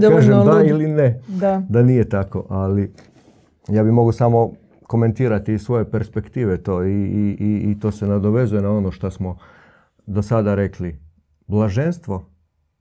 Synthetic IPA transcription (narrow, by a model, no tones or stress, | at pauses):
d̪okaːʒemd̪ailined̪ad̪anijet̪ako̞̰ʔali | jaːbimo̞ɡusamo̞ | ko̞me̞nt̪iːɾat̪isʋo̞je̞pe̞ɾspe̞kt̪iːʋet̪o̞ːiː | t̪o̞ːse̞nad̪oʋe̞zuje̞nao̞noʃt̪asmo | d̪o̞sad̪aɾe̞kli | blˠaʒenst̪ʋo̞